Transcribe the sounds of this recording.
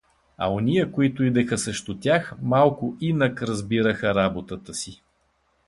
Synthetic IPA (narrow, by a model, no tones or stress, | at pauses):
ɐ̰onijəkoit̪ʊid̪ɛxəsɛʃt̪ʊt̪ʲjaxmalˠkʊʔinəkɾɐzbiɾəxəɾabot̪ət̪əsi